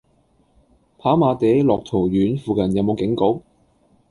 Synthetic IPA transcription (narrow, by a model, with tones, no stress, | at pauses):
pʰaː˨˥maː˨˧t̪e˨˥jlɔː˨k̚t̪ʰo˨˩wjyː˨˥nfuː˨˧kɐ˨˩njɐ˨˧wmo˨˧wkɪ˨˥ŋko˨˥w